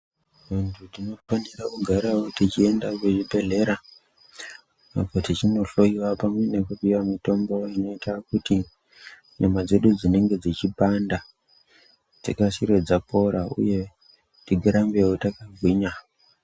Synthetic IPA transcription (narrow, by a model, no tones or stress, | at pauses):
ʋantʰudino̞fanirakuɡʱaɾawotit͡ʃie̞ndakeʐibʱe̞ɮe̞ɾa | a̰po̞tit͡ʃino̞ɬo̞iwapamwe̞ne̞kupiwamito̞mbo̞ino̞itakuti | namad͡ze̞ɗud͡zine̞ŋɡe̞d͡zit͡ʃipanda | d͡zḛkasiɾe̞d͡zapo̞ɾaṵje̞ | tiɡʱeɾambewotakaɡʱwiɲa